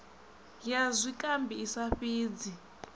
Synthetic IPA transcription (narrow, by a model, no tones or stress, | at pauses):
jazʷikʼambiːsaɸiːd͡zi